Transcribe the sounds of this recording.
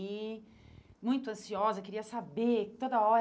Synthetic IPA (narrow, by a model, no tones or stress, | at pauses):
i | mũj̃t̪ʊɐ̃siɔzɐkeɾiɐsabet̪od̪ɐɔɾ